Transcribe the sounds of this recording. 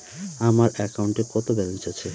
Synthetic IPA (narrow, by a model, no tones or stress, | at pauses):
amaɾɛkauɳʈekɔt̪obɛlont͡ɕat͡ɕʰe